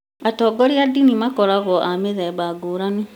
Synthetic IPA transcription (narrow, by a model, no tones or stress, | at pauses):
atɔːɡɔɾiadinimakɔɾaɣɔʔameðɛβaɡuːɾani